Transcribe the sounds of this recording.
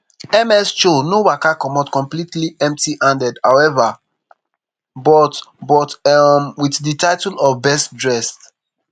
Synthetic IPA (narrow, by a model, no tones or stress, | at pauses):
ɛmɛst͡ʃonowakakɔmɔtkɔ̃mplitliʔɛ̃mp̚tiʔãndɛdhawɛva | bɔtbɔtmwiθditaɪtulɔvbɛstdɹɛst